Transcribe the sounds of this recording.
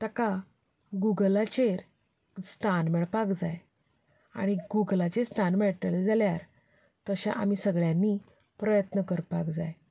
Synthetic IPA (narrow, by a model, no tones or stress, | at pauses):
t̪əka | ɡuɡlat͡ɕeɾ | st̪ʰanmɛɭpakd͡zaj | a̰ɽ̃iɡuɡlat͡ɕest̪ʰanmɛɭʈɭed͡zaljaɾ | t̪əɕã̰ʔa̰misəɡɭjãnːi | pɾəjət̪nəkəɾpakd͡zaj